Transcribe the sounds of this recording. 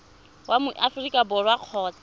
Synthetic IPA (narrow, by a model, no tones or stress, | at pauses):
wamʊʔafrikʼabɔrwaq͡χʰɔːt͡sḁ